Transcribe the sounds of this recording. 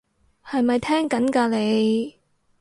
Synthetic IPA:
hɐ˨jmɐ˨jt̪ʰɛː˥ŋkɐ˨˥nkaː˧le˨˧j

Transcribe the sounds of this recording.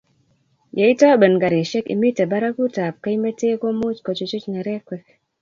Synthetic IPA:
je˨i˦tɔ˦bə˨nɡa˨ɾe˨ʃɛ˦kḭ˨mi˦te˨ba˦ɾa˦ku˦ta˨p̚ke˦i˦me˦te˦ko˦mu˦t͡ʃkɔ˨t͡ʃo˨t͡ʃu˦t͡ʃnɛ˨ɾɛ˦kwɛ˦k̚

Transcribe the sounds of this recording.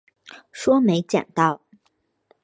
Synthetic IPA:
ʂwɔ˥me˧˥ɪt͡ɕja̰˨˩ŋt̪ɑ˥˩ʊ

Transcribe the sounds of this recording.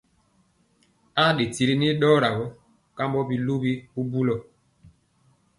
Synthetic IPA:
a˦ɗe˨ti˦ɾi˦ni˦ɗɔː˦ɾa˨ɡɔ˦ | ka˦mbɔ˦bi˨lu˦bi˦u˦bu˦lɔ˨

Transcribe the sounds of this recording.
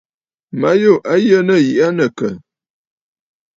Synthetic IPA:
ma˦jo˦˨ʔa˦jə˦nə˦˨ji˨ʔa˦nə˨kə˨

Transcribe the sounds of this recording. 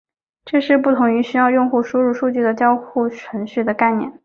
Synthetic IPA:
ʈ͡ʂɤ˥˧ʂɻ̩˥˧p̬u˥˩t̪ʰʊ˧˥ŋy˧˥ɕy˥jɑ˥˧ʊjʊ˥˧ŋxu˥˩ʂu˥ɻu˥˩ʂu˥˧t͡ɕy˥˩d̪ə˩t͡ɕjɑ˥ʊxu˥˩ʈ͡ʂʰwə˧˥nɕy˥˩d̪ə˩ka˥˩ɪnjɛ̰˥˩˦n

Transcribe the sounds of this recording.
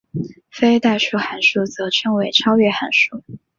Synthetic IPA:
fe˥ɪt̪a˥˧ɪʂu˥˩xa˧˥nʂu˥˩t͡sɤ˧˥ʈ͡ʂʰɤ˧˥ŋwe˧˥ɪʈ͡ʂʰɑ˥ʊɥɛ˥˩xa˧˥nʂu˥˩

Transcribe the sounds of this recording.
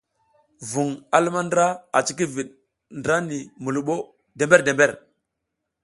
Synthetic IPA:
vu˨ŋa˨lu˦ma˦ndɾa˦a̰˨t͡ʃi˦k̬i˦vi˨ɗ̚ | ndɾa˦ni˨mu˨lu˨ɓo˦ | de˨mbe˦ɾde˨mbe˦˨ɾ

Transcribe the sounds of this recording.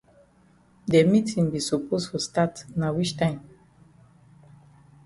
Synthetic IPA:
dɛ˨mi˦tĩŋbi˨sɔ˨pʰostu˨statna˨wi˦t͡ʃtãɪ̃m

